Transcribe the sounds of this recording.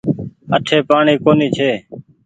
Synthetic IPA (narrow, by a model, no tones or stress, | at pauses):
əʈʰeːpaːɳiːkoːniːt͡ʃʰeː